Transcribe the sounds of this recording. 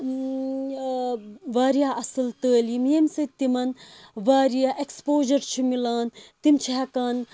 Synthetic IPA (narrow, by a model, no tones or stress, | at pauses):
ʋaːɾijaːʔɐsɨlt̪əːlimjemsɐt̪imɐnʋaːɾijaːʔekspoːʒɐɾt͡ʃʰimilaːnt̪imt͡ʃʰikaːn